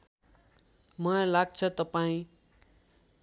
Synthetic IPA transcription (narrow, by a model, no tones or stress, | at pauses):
mʌlaɡ̚t͡sʰʌt̪ʌpaĩ